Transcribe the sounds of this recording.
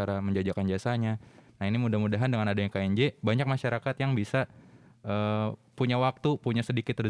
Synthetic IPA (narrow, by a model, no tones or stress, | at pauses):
aɾaməɲd͡ʒad͡ʒakand͡ʒiasaɲanainimudahmudaɦandəŋanadajaŋkaɛɲd͡ʒebaɲak̚maʃaɾakat̪jaŋbisa | ʔəːpuɲawak̚t̪upuɲasədikɪt̪ːər